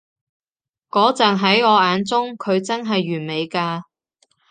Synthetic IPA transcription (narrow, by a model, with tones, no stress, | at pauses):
kɔː˨˥t͡sɐː˨˩ŋɦɐ˨˥jɔː˨˧aː˨˧nt͡sʊ˥ŋkʰɵ˨˧ɥt͡sɐ˥nɦɐ˨jːyː˨˩nme˨˧jkaː˧